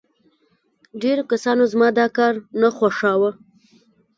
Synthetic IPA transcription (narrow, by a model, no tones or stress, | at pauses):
ɖeɾokasɑnozmɑd̪ɑkɑɾnaxwaʂɑwə